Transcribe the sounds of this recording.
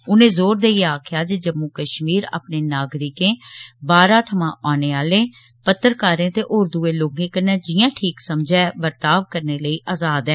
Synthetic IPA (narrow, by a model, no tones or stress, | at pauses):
ʊnẽːzoːɾd̪eːiaːkʰjaːd͡ʒed͡ʒəmːuːkəʃmiːɾa̰ːpneːnaːɡɾɪkẽːbaːɾãːt̪ʰəmãːʔaːneːaːleː | pət̪ːəɾkaːɾẽːt̪eːʔoːɾd̪uːeːloːɡẽːkənɛ̃ːd͡ʒɪjãːʈʰiːksəmd͡ʒɛːbəɾt̪aːʋkəɾneːləiːʔaːzaːd̪ɛː